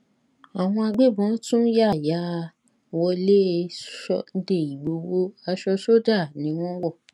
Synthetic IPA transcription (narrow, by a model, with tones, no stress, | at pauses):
a˨w̃ɔ̃˧a˧ɡ͡be˦˨bɔ̃˨˦tũ˦ja˦˨ja˨˦˧ | wɔ˧le˦˧˦ʃɔ˦n̩˦de˦˨i˨ɡ͡bo˨˦wo˦a˧ʃɔ˧ʃo˦da˦˨nĩ˨˦w̃ɔ̃˦wɔ˦˨